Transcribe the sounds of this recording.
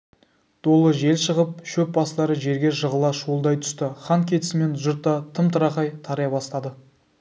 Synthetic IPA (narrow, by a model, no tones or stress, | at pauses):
d̪̥o̞lˠəʒe̞lʃəʁəp̚ʃɵp̚bɑst̪ˠɑɾəʒe̞ɾɡʲe̞ʒəʁəlˠɑʃuəlˠd̪ɑjt̪ʰʏ̥st̪ɪχɑnkʲʰe̞t̪ɪ̥sɪme̞nʒʊɾt̪ːɑt̪ʰəmt̪ʰəɾɑqɑjt̪ʰɑɾjɑbɑst̪ɑd̪ə